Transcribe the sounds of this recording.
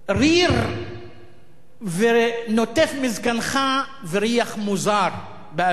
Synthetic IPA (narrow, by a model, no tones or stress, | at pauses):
riɾ | venot̪efmizkanχa | viɾiaχmuzaɾ | ba